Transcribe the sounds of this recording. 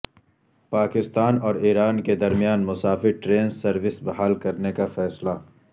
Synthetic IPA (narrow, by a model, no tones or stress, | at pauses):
paːkɪst̪aːnɔːɾiːɾaːnked̪ɐɾmijaːnmʊsaːfɪɾʈɾeːnsɐɾʋɪsbɐɦaːlkɐɾnekafɛːsla